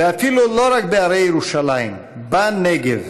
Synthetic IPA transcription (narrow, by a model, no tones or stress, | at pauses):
afilolɔɾak̚beaɾeɾuʃalajn | banːeɡeð